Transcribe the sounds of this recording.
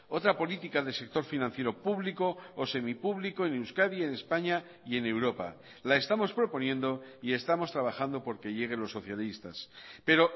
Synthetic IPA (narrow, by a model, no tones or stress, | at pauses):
o̞t̪ɾapo̞lit̪ikaðese̞k̚t̪o̞ɾfinãn̟θje̞ɾopuβliko̞ose̞mipuβliko̞enewskaðie̞ne̞spaɲa | ie̞ne̞wɾo̞pa̰ | lae̞st̪amo̞spɾo̞po̞njẽ̞nd̪o̞ie̞st̪amo̞st̪ɾaβ̞axand̪opo̞ɾke̞ʎe̞ɣ̞e̞lo̞sːo̞θjalist̪a̰spe̞ɾo̞